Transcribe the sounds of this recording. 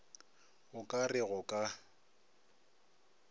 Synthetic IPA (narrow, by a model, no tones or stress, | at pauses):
ɣʊkʼarɪɣʊkʼa